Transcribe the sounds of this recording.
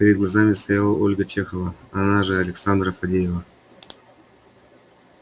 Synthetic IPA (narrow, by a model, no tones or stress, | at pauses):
pʲɪɾʲɪd̪ɡlˠɐzamʲɪst̪ɐjalˠəʔolʲɡət͡ɕexəvəɐnaʐɨɐlʲɪksand̪ɾəfɐdʲejɪvə